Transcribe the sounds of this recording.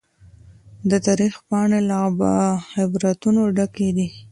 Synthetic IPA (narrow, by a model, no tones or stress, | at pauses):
d̪ət̪ɑɾixpɑɳelɑbaxɪbɾat̪unoɖaked̪i